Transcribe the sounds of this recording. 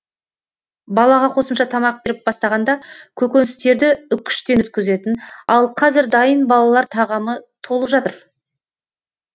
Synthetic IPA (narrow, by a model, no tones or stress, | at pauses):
bɑlˠɑʁɑqʰo̞səmʃɑt̪ʰɑmɑq̚be̞ɾɪp̚bɑst̪ɑʁɑnd̪ɑkʲʰɵkʲe̞nɪst̪e̞ɾd̪ɪʏkʲʰʏ̥ʃt̪enwɵt̪̚kʲɪze̞t̪ɪnɑlˠqʰɑzɪɾd̪ɑjənbɑlˠɑlˠɑɾt̪ʰɑʁɑmət̪ʰo̞lˠəpʒɑt̪əɾ